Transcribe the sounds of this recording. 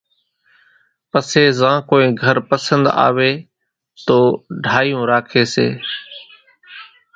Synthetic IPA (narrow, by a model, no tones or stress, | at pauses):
pəseːzãːkoːĩːɡʱəɾpəsə̃nd̪a̰ːʋeː | t̪oːɖʱaːijũːɾaːkʰeːsḛː